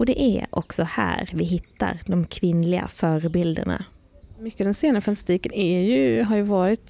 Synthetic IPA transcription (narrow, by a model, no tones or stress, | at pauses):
ɔd̪ɛʔæɔ̰ksɔhæ̰ːɾvɪɦɪt̪ʰːaɾd̪ɔmkʰvɪnlɪɡa̰fœːɾəbɪld̪ə̰ɳa̰ | mʏkːəd̪ɛnseːnəfanḁst̪iːkənɛjɵɦaɾjɵvɑːɾɪt̪